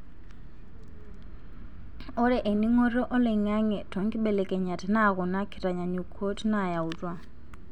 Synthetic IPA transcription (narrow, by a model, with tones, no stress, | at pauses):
ɔ˦ɾɛ˦ʔe˨ni˦ŋɔ˦ɾɔ˦ʔɔ˦lɛ˨ŋa˦ŋɛ˨tʰɔ˨ŋ˦ki˦ɓɛ˨lɛ˨kʼɛ˨ɲa˨tʰi˦na˦˨ɣɔ˨na˦kʰi˨tʼa˨ɲa˨ɲu˨kʰɔ˦tʰi˦na˦˨ja˨u˨tʼwa˦